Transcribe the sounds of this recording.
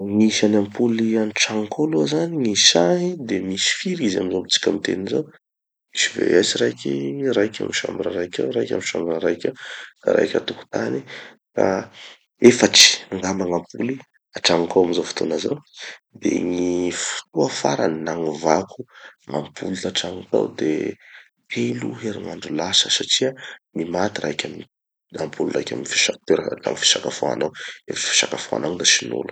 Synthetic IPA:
ŋiʃanampulianiʈ͡ʂaŋkʰoluazaniŋiʃaŋid̪emisi̥fiɾizamizobit͡si̥kʲamit̪ḛninzo | misivḛaziɾajkʲirajkʲa̰miʃa̰mbiɾaɾajkʲa̰ɾajkʲa̰miʃambinaɾajkʲaka̰ɾa̰jkʲa̰t̪uku̥t̪ani | ka̰ | efaʈ͡ʂi̥aŋɡamaŋampuli | aʈ͡ʂaŋukawamizofu̥t̪ʰo̰naza̰d̪ḛŋifu̥t̪uafaɾannaŋuvakʰuŋa̰mpʰulit̪aʈ͡ʂaŋka̰wd̪e | hʰeluɦeɾiŋaɳɖ͡ʐulasəsaʈ͡ʂiamimat̪iɾaikʲami | ampʰulirajkʲamifi̥ʃakt̪eɾala̰mfi̥ʃakafoa̰naweffi̥ʃakafoa̰naŋd̪asinṵlu̥

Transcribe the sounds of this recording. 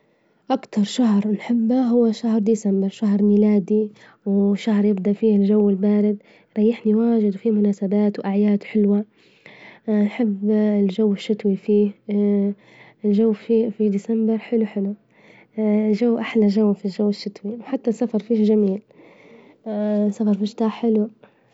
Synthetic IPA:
ʔakt̪ɑɾˤʃahɾnħɪbːaɦʊwːaʃahɾˤd̪iːsambɪɾˤʃaɦɾˤmiːlaːd̪i | wʃahɾˤjɪb̚d̪aʔfiːɪlʒawːɪlbaːɾɪd̪ | ɾˤɑjːɪħniwaːʒɪd̪wfiːmʊnaːsabaːt̪wʔaʕjaːd̪ħɪlwa | nħɪbːɪlʒawːɪʃːɪt̪wifiː | ɪlʒawːfifid̪iːsambɪɾˤħɪluħɪlu | lʒawːʔaħlaʒawːfilʒawːɪʃːɪt̪wiwħat̪ːasːafɑɾˤfiːʒamiːl | safɑɾˤfɪʃt̪aːħħɪlu

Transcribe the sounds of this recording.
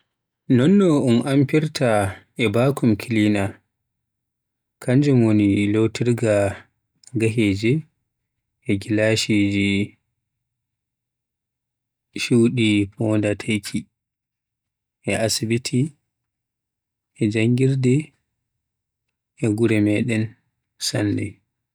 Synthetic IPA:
nɔnːɔunʔampiɾtʰa | ɛbakʰumkʰilina | kʰaɲd͡ʒumonilowtiɾɡa | ɡaɦeːd͡ʒɛ | ɛɡilaʃid͡ʒi | ʃuwɗipɔːndatʰajkʰi | ʔɛʔasibitʰi | ɛd͡ʒaŋɡiɾdɛ | ɛɡuɾɛmɛɗɛn | sa̰nːdɛ̰

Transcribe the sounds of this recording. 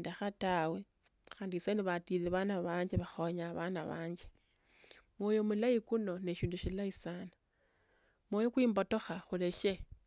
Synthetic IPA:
ndaxatawe̞ | xaːndiseniβatileβanaβaːɲd͡ʒeβaxoɲaβanaβa̰ːɲd͡ʒe | mwojomulaikuno̞neʃiːnduʃilaisanḁ | mwojokwiːmbo̞to̞xaxuleʃe

